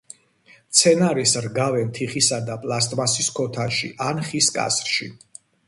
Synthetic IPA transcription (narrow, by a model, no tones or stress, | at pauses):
t̪sʰɛnaɾisɾɡavɛnt̪ʰiχisad̪apʼlˠast̪ʼmasiskʰɔt̪ʰaʃḭʔanχiskʼa̰sɾʃi